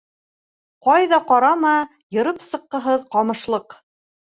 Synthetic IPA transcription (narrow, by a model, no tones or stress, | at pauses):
qɑjðɑqɑɾɑmɑ | jɤ̆ɾɤpsɤ̆qːɤ̆ɦɤðqɑmɤ̆ʃlˠɤq